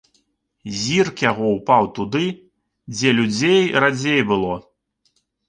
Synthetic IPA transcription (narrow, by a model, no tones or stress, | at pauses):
zʲirkjaɣɔwpawt̪ud̪ɨ | d͡zʲɛlʲud͡zʲejɾad͡zʲejbɨlˠɔ